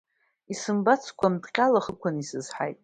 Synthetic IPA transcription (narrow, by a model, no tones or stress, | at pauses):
isɨmbat͡sʰkʷʰamdqʲʼalaχəkʷʰanisɨzħa̰jtʼ